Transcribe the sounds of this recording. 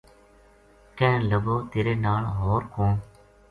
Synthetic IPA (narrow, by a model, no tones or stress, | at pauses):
kɛ̃ːləɡoːt̪eːɾeːnaːlɦoːɾkõː